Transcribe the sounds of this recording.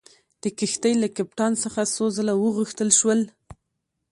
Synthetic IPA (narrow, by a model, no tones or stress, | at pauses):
d̪̥əkɪxt̪əjlakap̚ʈɑnsəxasozəlawəɣəxt̪əlʃwəl